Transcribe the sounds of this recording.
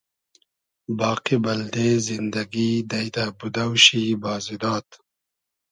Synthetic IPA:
bɑːqibɐld̪ezind̪ɐɡid̪ɐjt̪abud̪awʃibɑːzid̪ɑːt̪

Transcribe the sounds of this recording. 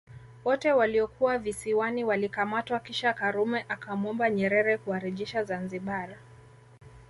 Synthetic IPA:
wɔtɛwaliɔkuwavisiwaniwalikamatwakiʃakaɾumɛʔakamɔmbaɲɛɾɛɾɛkuaɾiʄiʃazanziɓaɾa

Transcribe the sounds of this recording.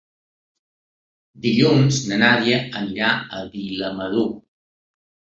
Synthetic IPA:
d̪iʎunznənaɾiəəniɾaəβiləməðu

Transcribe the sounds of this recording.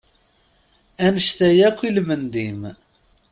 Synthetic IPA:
ænəʃθæjækʷːilmənd̪im

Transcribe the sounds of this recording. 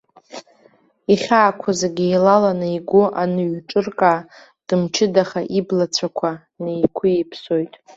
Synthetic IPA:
iχʲaːkʷʰazaɡʲijlalanɨiɡʷʊʔanɨɥʈ͡ʂʼɨrkʼaː | d̥ɨmt͡ʃʰɪdaχaʔiblat͡sʷʰakʷʰa | nejkʷʰʊipʰso̞jtʼ

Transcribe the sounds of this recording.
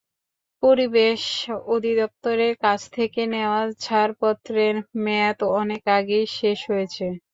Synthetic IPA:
poɾibeʃod̪ʱid̪ɔp̚t̪oɾeɾkat͡ɕʰt̪ʰekeneoat͡ɕʰaɾpɔt̪ːɾeɾmeat̪oɔnekaɡejʃeʃɦojet͡ɕʰe

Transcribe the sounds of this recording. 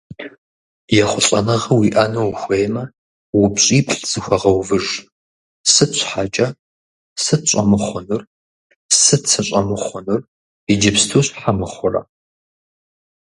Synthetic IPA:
jɛχʷʊɬʼɐnɐʁɐwiʔɐnowxʷejmɐ | wʊpɕʼiːpʰɬz̥ɨxʷɐʁɐwvɨʒ | sɨɕʷħat͡ʃʼɐ | sɨɕʷʼɐmɨχʷʊnɨr | sɨt͡sʰɐɕʼɐmɨχʷʊnɨr | id͡ʒɪpstʰoːɕħamɨχʷʊrɐ̰

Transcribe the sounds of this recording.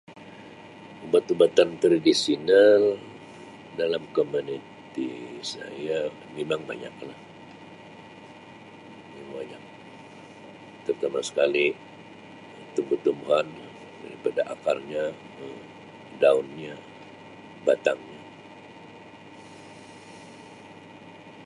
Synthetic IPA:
ubat̪ubat̪aŋt̪ɾadisinal | dalamkomunit̪isa̰ja | memaŋba̰ɲa̰k̚lah | memaŋbaɲak̚ | t̪ərt̪amasə̥kali | t̪umbət̪umɦan | da̰ɾipadaʔakarɲa | ə | daunɲa | bat̪aŋɲa

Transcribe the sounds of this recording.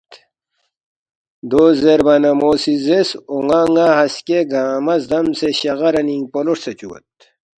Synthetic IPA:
d̪oːzeɾbɐnɐmoːsizesoŋaːŋɡaɦɐskeɡaːmɐzd̪ɐmseɕɐɣɐɾɐniŋɡpoloʂset͡ɕuwɐ̰t̪̚

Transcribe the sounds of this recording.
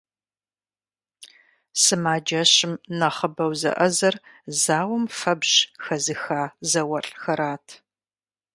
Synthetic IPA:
sɨmaːd͡ʒɐɕɪmnɐχəbɐwzɐ̰ʔɐzɐrzaːwɐmfɐbʑxɐzɨxaːzɐwɐɬʼxɐɾaːtʰ

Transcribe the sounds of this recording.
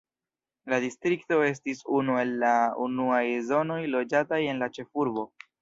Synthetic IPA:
ladistɾikto̞e̞s̬tisunue̞lːaṵnuajzo̞no̞jlo̞d͡ʒataje̞nlat͡ʃe̞fuɾbo̞

